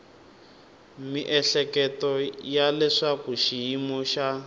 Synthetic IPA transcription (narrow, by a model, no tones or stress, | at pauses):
miʔɛɬɛkɛtɔjalɛʂakuʃijimɔʃa